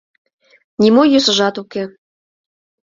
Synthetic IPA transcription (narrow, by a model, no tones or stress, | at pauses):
nʲimojøsə̆ʒɑt̪uke